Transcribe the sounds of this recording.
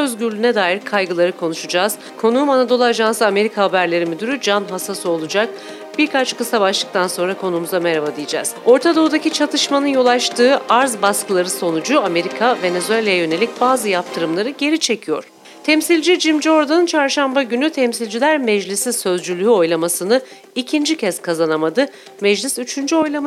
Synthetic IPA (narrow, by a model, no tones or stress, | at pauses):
øzɟyɾlʲyːnɛd̪aːjiɾkʰajɡɯlˠaɾɯkʰo̞nuʃud͡ʒaːz̥ | kʰo̞nuːmanad̪o̞lˠaːʒansɯame̞ɾikʰaɦabæɾlʲe̞ɾimid̪yɾyd͡ʒanɦasasɯo̞lˠud͡ʒak̚ | b̥iɾkʰat͡ʃkɯsabaʃlˠɯkt̪ʰanso̞nɾakʰo̞nuːmuzameɾavad̪ijid͡ʒa̰ːz̥o̞ɾt̪ʰad̪o̞ud̪acit͡ʃʰat̪ʰɯʃmanɯnjo̞lˠat͡ʃt̪ʰɯːaɾzbaskɯlˠaɾɯso̞nud͡ʒuame̞ɾikʰave̞nezyelʲejajø̞ne̞lʲic̚baːzɯjap̚t̪ʰɯɾɯmlˠaɾɯɟe̞ɾit͡ʃʰe̞cʰijo̞ɾ̥ | t̪ʰɛmsilʲd͡ʒid͡ʒimd͡ʒo̞ɾd̪annt͡ʃʰaɾʃambaɟynyt̪ʰɛmsilʲd͡ʒilʲæɾmɛd͡ʒlʲisisø̞zd͡ʒylʲyɦyo̞jlˠamasɯnɯ | icʰind͡ʒicʰɛskʰazanamad̪ɯ | mɛd͡ʒlʲisyt͡ʃʰynd͡ʒyo̞jlˠam